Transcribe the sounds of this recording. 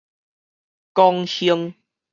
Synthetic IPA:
kɔ˧ŋɕi˧əŋ

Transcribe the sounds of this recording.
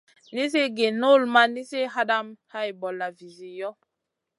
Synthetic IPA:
ni˦s̬e˦ɡe˨no˦˨lma˦ni˦se˦ɦa˦da˦mha˦jbɔ˨la˨vi˨zi˨jɔ˦

